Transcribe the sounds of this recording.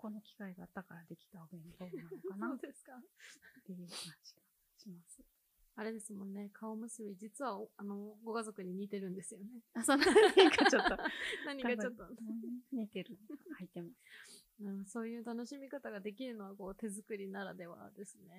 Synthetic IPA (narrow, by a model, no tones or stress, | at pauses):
ko̞no̞kʲi̥kaiɡaːt̪ːakaɾad̪e̞kʲi̥t̪aobẽnt̪onaokanaoːd̪esɨ̥kat̪eɯaɕi̥ka | ɕimasɨ̥ | aɾe̞d̪e̞sɨmõ̞nːe̞kʰaomɯ̟sɨβʲid͡ʑit͡sɨβaoano̞ɡo̞ɡazo̞kɯ̟ɲ̟iɲ̟iːt̪e̞ɾɯ̟̃nd̪e̞sɨjo̞ne̞asonaɲikat͡ɕot̪ːonaɲ̟iɡat͡ɕot̪ːoɲit̪eɾɯnakait̪emas | ɯ̃so̞ːjɯ̟ːt̪ano̞ɕimʲikat̪aɡad̪e̞kʲiɾɯ̟no̞βako̞ːt̪e̞zɨkɯ̟ɾʲinaɾad̪e̞βa̰d̪e̞sɨne̞